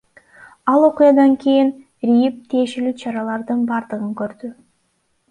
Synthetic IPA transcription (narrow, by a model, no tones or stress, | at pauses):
ɑlˠo̞qʊjɑd̪ɑŋkʲʰejin | ɾijip̚t̪ʰije̞ʃe̞lyːt͡ʃʰɑɾɑlˠɑɾd̪ɯnbɑɾd̪ɯʁɯŋkøɾd̪y